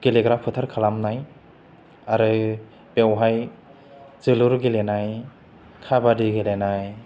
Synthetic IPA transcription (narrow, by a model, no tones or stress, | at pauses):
ɡ̥eleɡɾapʰɯtʰaɾkʰalamnaj | aɾɯ | bewɦaj | zɯluɾɡelenaj | kʰabadiɡelenaj